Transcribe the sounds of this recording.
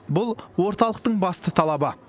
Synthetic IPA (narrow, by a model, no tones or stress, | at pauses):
bʊlˠwo̞ɾt̪ɑlˠəq̚t̪əɴbɑst̪ət̪ʰɑlˠɑbə